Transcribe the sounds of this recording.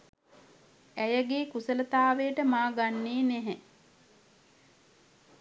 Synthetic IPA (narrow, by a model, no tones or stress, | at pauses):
æjəɡeːkusələt̪aːʋejəʈəmaːɡanːeːneɦɛ